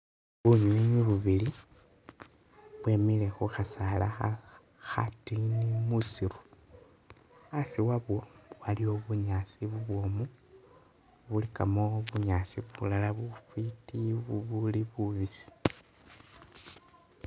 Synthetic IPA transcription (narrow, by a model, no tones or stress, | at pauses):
βuɲiɲiβuβili | βwe̞ːmile̞xuxasalaxa | xatinimusiɾu̥ | asiwaβwowalio̞βuɲaːsiβuβwo̞mu | βulikamoβuɲaːsiβulalaβufitiβuβuliβuβisi̥